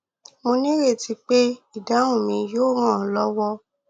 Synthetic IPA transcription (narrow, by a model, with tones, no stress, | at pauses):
mo˧nĩ˦ɾe˦˨ti˧k͡pe˦i˦˨dã˨˦ũ˦˨mĩ˧joː˦˨ɾ̃ã˦˨lɔ˦wɔ˦